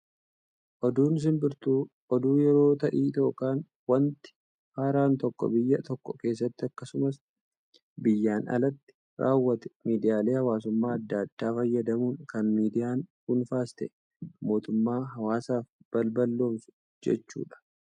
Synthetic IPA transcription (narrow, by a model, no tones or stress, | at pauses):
ʔɔd̪uːnɪs̬ɪnbɪɾt̪uː | ʔɔd̪uːjɛɾo̞ːt̪ɐʔiːt̪o̞ːkaːn | wɐnt̪ɪ̥ | haːɾaːnt̪ɔkːɔ̰bɪjːɐt̪ɔkːɔke̞ːs̬ːɐt̪ːɪɐkːɐsʊmɐs | bɪjːaːnɐ̰lɐt̪ːɪ̥ | ɾʔa̰ːwːɐt̪ɛ̥miːd̪ɪjaːle̞ːhɐwaːs̬ʊmːaːɐd̪ːaːd̪̥ːaːfɐjːɐd̪ɐmuːnkɐnmiːd̪ɪjaːnkʊnfaːst̪ɛ̰ | mo̞ːt̪ʊmːaːɦɐwaːsaːfb̥ɐlbɐlːo̞ːms | d͡ʒɛ̰t͡ʃːṵːᶑɐ̥